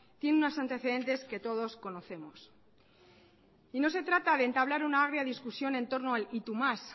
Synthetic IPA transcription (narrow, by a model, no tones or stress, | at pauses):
t̪je̞nunasant̪e̞θe̞ðe̞nt̪e̞ske̞t̪o̞ð̞o̞sko̞no̞θe̞mos | ino̞s̬e̞t̪ɾat̪aðe̞ːnt̪aβlaɾunaaɣ̞ɾjaðiskusjo̞ne̞nt̪o̞ɾnoalit̪umas